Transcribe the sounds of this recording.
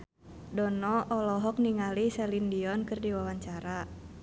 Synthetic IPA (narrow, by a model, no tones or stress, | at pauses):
dɔnɔʔɔlɔɦɔk̚niŋalisɛlindiɔnkɨrdiwawaɲt͡ʃaɾa